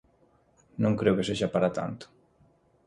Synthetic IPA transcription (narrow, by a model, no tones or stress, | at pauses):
nõŋkɾɛwkeseʒapaɾat̪a̰nt̪o̥